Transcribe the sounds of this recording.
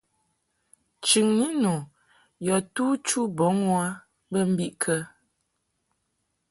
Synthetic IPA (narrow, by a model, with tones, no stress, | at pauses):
t͡ʃʉ˨ŋni˦no˨ | jɔ˨tuː˦t͡ʃu˦bɔ˨˦ŋwa˦ | bə˦m̩˦bi˦ʔkʰə˦